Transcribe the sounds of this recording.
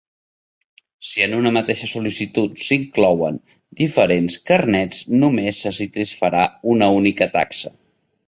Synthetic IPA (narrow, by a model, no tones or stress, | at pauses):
siənunəmət̪eʃəsulisit̪ut̪siŋklɔwən | d̪ifəɾenskərnɛt͡snumesːəsit̪isfəɾaunəunikət̪a̰ksə